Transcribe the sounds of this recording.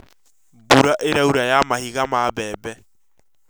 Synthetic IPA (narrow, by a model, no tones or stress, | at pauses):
buɾaʔeɾauɾajamahiɣamabɛːbɛ